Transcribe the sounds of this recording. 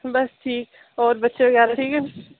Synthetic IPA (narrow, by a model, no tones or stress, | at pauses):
bɐsʈʰiːk | ɔːɾbɐtːʃeʋɐɡɛːɾaʈʰiːkɛ